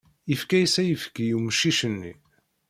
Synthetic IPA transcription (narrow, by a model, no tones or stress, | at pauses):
əfkæjsæjəfə̥kijuməʃːiʃənːḭ